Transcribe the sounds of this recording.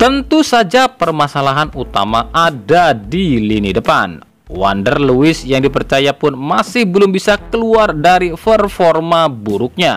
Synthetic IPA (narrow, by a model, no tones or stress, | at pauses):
t̪ənt̪usad͡ʒapərmasalaɦanut̪a̰maʔadadilinidəpa̰n | wa̰ndərluɪsjaŋdipərt͡ʃajapʊnmasɪhbəlʊmbisakəluardaɾifərfɔrmabuɾʊk̚ɲa